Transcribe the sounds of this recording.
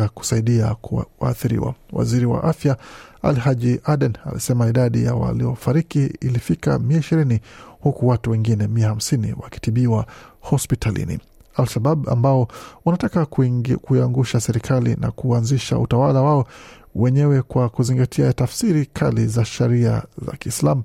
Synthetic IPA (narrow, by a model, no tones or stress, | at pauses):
aku̥saiɗiawa̰ːθiɾḭwa̰wa̰ziɾiwa̰ʔafjaa̰lhaʄiʔaɗɛna̰lḭsɛmaiɗaɗḭja̰wa̰liɔfaɾikiilifika̰miaiʃiɾinihukuwatuwɛŋɡinɛmiaham̩sinḭwaki̥tiɓiwahɔspitalḭnḭ | alʃaɓaba̰mbaɔwanatakakuiaŋɡuʃasɛɾikʰalḭna̰kuanziʃa̰ṵtawalawaɔ | wɛɲɛwɛkwakuziŋɡatʰiatafsiɾikʰalizaʃɛɾia̰za̰kiːslamu